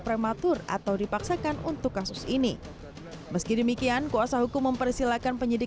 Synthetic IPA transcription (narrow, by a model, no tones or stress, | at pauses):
pɾemat̪ʊra̰t̪awdipaksakanunt̪ʊkːasʊsini | məskidəmikiankuasahɦukʊmːəmpərisilakanpəɲidi